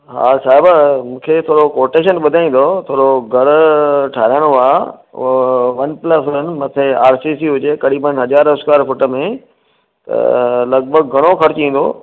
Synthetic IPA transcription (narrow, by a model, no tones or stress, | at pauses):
ɦa̰ːsaːɦɪbmũːkʰet̪ʰoːɾokoːɾʈeːʃənɓʊd̪ʱaːĩːn̆d̪ot̪ʰoːɾoɡʱɐɾʈʰaːɾaːɽ̃oaː | ʋɐnpləsʊɾənɪ̆mɐt̪ʰeaːɾsisiɦʊd͡ʑekɐɾiːbənɦɐd͡ʑaːɾʊskaːɾfʊʈə̆mẽ | t̪ɐ̰lɐɡ̚bʱəɡ̚ɡʱɐɽ̃okʰɐɾt͡ɕĩːn̆d̪oː